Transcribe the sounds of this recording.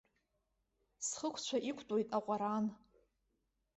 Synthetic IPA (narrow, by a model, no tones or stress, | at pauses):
sχəkʷʰt͡ɕʷʰaʔikʷʰtʼojtʼaqʷʼaɾan